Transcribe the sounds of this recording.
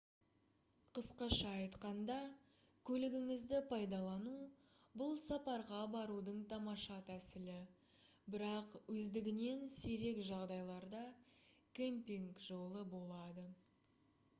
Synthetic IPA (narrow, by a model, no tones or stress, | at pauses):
qʰəsqɑʃɑːjt̪qɑnd̪ɑ | kʲʰɵlɪɡʲɪŋɪzd̪ɪpʰɑjd̪ɑlˠɑnu | bʊlˠsɑpɑɾʁɑbɑɾud̪əɴt̪ʰɑmɑʃɑt̪ʰæsɪlɪ | bɪɾɑqwɵzd̪ɪɡʲɪne̞nseɾe̞kʒɑʁd̪ɑjlˠɑɾd̪ɑ | kʲempʲiŋkʒolˠəbo̞lˠɑd̪ə